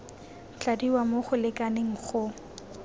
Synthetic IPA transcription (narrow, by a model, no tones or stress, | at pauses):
t͡ɬadiwamoχʊlɪkaneŋ̩χʊ